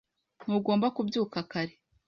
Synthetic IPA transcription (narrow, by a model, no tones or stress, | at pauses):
n̥uɡo̞ːmbakubjuːkakaɾe